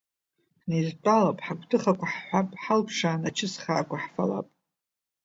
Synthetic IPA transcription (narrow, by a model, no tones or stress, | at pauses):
nezt͡pʷʼalapʼħaɡʷdʰɨχakʷaħħʷapʼħalpʰʂaːnat͡ʃʰɪsχaːkʷaħfala̰pʼ